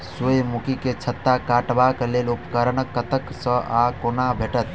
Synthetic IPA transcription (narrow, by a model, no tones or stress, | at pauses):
sujmukiket͡ʃʰət̪ːakaʈbakelelupkəɾənəkːət̪əksə̃ʔakonabʱeʈət̪